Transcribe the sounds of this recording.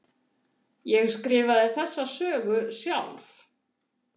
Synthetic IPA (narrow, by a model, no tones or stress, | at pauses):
jɛɣskɾɪːvaðɪθɛsːasœːɣʏsjawlf